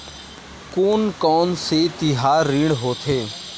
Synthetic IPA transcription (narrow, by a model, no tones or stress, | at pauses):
koːnkɔːnset̪ɪɦaːɾːiːɳɦoːt̪ʰeː